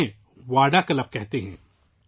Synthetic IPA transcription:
ẽ | ʋaːɖakɐləp̚kɛɦt̪eɦɛ̃ː

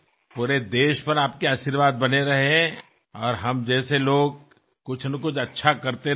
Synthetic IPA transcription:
puːɾed̪eːʃpɐɾaːp̚keaːʃiɾʋaːd̪̚bɐneɾɐɦeɦɛ̃ | ɔːɾɦɐmd͡ʒɛːseloːɡ̚ | kʊt͡ʃʰnɐkʊt͡ʃʰɐtːʃʰakɐɾt̪e

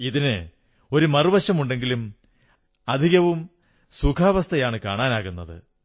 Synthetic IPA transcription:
iðinɨ | o̞ɾumɐruʋɐɕɐmuɳɖe̞ŋɡilum | ɐd̪ʱiɣɐʋum | sukʰaːʋɐst̪ʰɐjaːɳɨkaːɳaːnaːɣunːɐðɨ̰

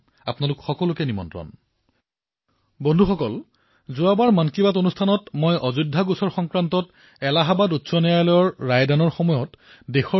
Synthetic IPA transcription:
a̰pnalʊkxɔkɔlʊkɛnimɔ̰ntɹɔ̰n | bɔndʱuxɔkɔl | zʊabaɹmankibatonustʰanɔtmojʔɔzudʱːaɡusɔɹxɔŋkɹantɔt | ɛlaɦabadutsɔnɛjajlɔjɔɹːajdanɔɹxɔmɔjɔt | dexɔ

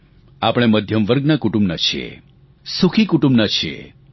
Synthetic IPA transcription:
apəɽ̃eməd̪ʱjəmʋəɾɡnakuʈũmbnat͡ʃʰḛ | sukʰikuʈũmbnat͡ʃʰḛ

